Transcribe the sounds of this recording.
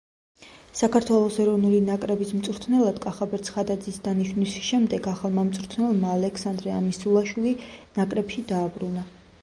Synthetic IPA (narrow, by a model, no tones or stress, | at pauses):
sakʰaɾt̪ʰwɛlˠɔsɛɾɔvnulinakʼɾɛbismt̪sʼɾt̪ʰnɛlˠad̪̥kʼaχabɛɾt̪sʰχad̪ad̪zisd̪aniʃwnisʃɛmd̪ɛɡaχalˠmamt̪sʼɾt̪ʰnɛlˠmaːlɛksand̪ɾɛamisulˠaʃwilinakʼɾɛbʃid̪aːbɾuna